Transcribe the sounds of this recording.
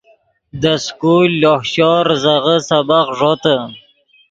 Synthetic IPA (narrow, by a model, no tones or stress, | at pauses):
d̪əskulːohɕɔɾzaʁəsabaqʐot̪ə